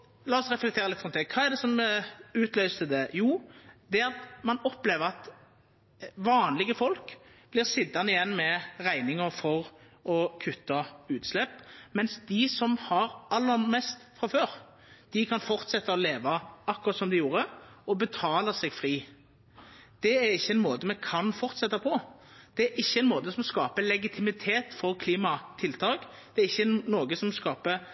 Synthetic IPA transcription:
lɑːɔsʁɛflɛkt̪ʰeːɾlɪt̪ːfʁɔmt̪ɛkʰɑːɛʁd̪ɛsɔmʉːt̪lœʏst̪əd̪ɛjuːd̪̥ɛɑt̪mɑnɔpleːʋəʁɑt̪ | ʋɑːnlɪɡəfɔlkb̥lɪʁsɪd̪ːɑnɪjɛnːmɛʁæɪnɪŋəɾfɔɾ | ɔkʰʉt̪ːɑʉːt̪slɛpːmɛnsd̪ɪsɔmhɑɾɑlːəɾmɛst̪fʁɑføːɾ | d̪̥ɪkʰɑnfɔʁt̪sɛt̪ːɑɔleːʋɑɑkːʊʁɑt̪sɔmd̪ɪjuːɾəɔbət̪ʰɑːləsɛɡfʁiː | d̪̥ɛæɾɪçːəɛnmoːt̪əmɛkʰɑnfɔʁt̪sɛt̪ːɑpʰɔ | d̪̥ɛæʔɪçːəɛɪnmoːt̪əsɔmɔskɑːpəlɛɡɪt̪ʰɪmɪt̪ʰeːt̪fɔɾkʰliːmɑt̪ʰɪlt̪ʰɑːk | d̪̥ɛæɾɪçːənoːɡəsɔmskɑːpə

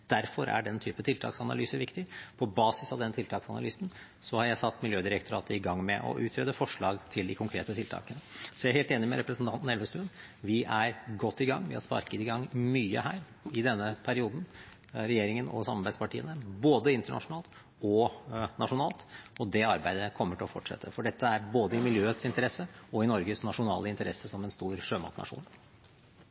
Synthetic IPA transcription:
d̪̥æɾfɔɾæ̰ɖɛnt̪ʰyːpət̪ʰɪlt̪ʰɑ̰ːksɑnɑ̰lyːsəʋɪkt̪ɪpʰɔbɑːsɪsɑʋd̪ɛnːt̪ʰɪlt̪ʰɑːksɑnɑ̰lyːsn̩ | sɔhɑɾjæɪsɑt̪ːmɪljøːd̪ɪɾɛkt̪ʰʊɾɑːt̪əɪɡɑŋːmɛʔɔ̰ʔʉːt̪ʰɾeːd̪əfɔʂɭɑːɡt̪ʰɪld̪ɪkʰʊŋkʰɾeːt̪ət̪ʰɪlt̪ʰɑ̰ːkənəsɔjæɪɾhɛːlt̪eːnɪmɛ̰ɾɛpɾəsn̩t̪ɑnt̪n̩ɛlʋəst̪ʉːn | ʋɪʔæɾɡɔt̪ːɪɡɑŋːʋɪ̰hɑspɑ̰ɾkət̪ɪɡɑŋmyːə̰hæːɾ | ɪd̪ɛnːəpʰæɾɪuːd̪n̩ | ɾɛjeːɾɪŋənɔ̰sɑmɑɾbæɪd̪spɑʈʰiːənəboːd̪əɪnt̪əɳɑ̰ʂʊnɑːlt̪ | ɔnʔɑʂʊnɑːlt̪ʔɔd̪ɛɑɾbæɪd̪əkʰɔmːəʈʰɪlɔfɔʈʂɛ̰t̪ʰːəfɔɖɛt̪ʰːəæɾboːd̪əɪmɪljøːət̪sɪnt̪əɾɛsːəɔɪnɔɾɡəsnɑʂʊnɑ̰ːləɪnt̪əɾɛsːəsɔmɛnst̪uːɾʂøːmɑ̰t̪nʔɑ̰ʂṵːn

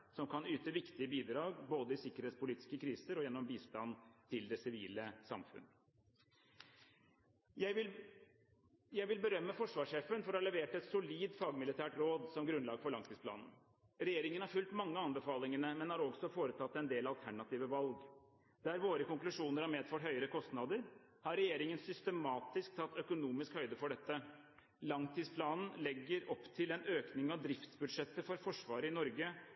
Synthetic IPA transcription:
sɔmkɑnyːt̪əʋɪkt̪ɪəbiːd̪ɾɑːɡboːd̪əɪsɪkːəɾheːt̪spʊliːt̪ɪ̥skəkʰɾiːsəɾɔjɛnːɔmbiːst̪ɑnt̪ʰɪld̪ɛsɪʋiːləsɑ̰mfʉ̰n | jæɪ | jæɪʋɪlbəɾœmːəfɔʂʋɑːʂeːfənfɔɾɔhɑɭɛʋeːʈɛt̪sʊliːd̪fɑːɡmɪlɪt̪ʰæːʈɾoːd̪sɔmɡɾʉnlɑːɡfɔɭɑŋt̪ɪŋspʰlɑ̰ːnn̩ | ɾɛjeːɾɪŋənhæɾfʉlt̪mɑŋːəɑnbəfɑːlɪŋəɳəmɛnhɑɾɔɡsɔfoːɾət̪ʰɑt̪ːɛnd̪eːlɑlt̪ʰæɳɑt̪iːʋəʋɑlɡ | d̪æɾʋoːɾəkʊŋklʉʂuːnəɾhɑɾmeːd̪fœʈhœʏəɾəkʰɔst̪nɑd̪əɾ | hɑɾɛjeːɾɪŋənsʏst̪əmɑːt̪ɪsk̚t̪ʰɑt̪ːœkʊnuːmɪskhœʏd̪əfɔɖɛt̪ːə | lɑŋt̪ʰiːspʰlɑːnn̩lɛɡːəɾɔpːt̪ʰɪlɛnøːknɪŋɑʋd̪ɾɪft̪sbʉd̪ʂɛt̪ːəfɔɾfɔʂʋɑːɾəɪnɔɾɡə

